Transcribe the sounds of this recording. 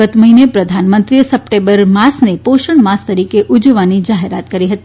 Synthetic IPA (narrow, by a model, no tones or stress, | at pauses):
ət̪məɦinepɾəd̪ʱanmənt̪ɾijəsəp̚ʈẽmbəɾmasnepoʃəɳmast̪əɾikeʔud͡ʒʋanid͡ʒaɦeɾat̪kəɾiɦət̪i